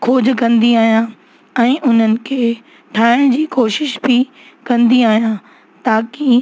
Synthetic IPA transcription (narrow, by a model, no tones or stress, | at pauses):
kʰoːd͡ʑkɐ̃nd̪iaːɦijã | ɛ̃ːʔʊn̤ənɪ̆kʰeː | ʈʰaːɪɽ̃d͡ʑiːkoːʃɪʃbʱi | kɐ̃nd̪iaːɦijã | t̪aːki